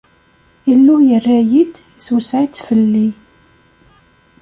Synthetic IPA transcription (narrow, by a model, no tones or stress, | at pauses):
ilːujərːæjid̪ | iswəsʕit͡s̪ːfəlːi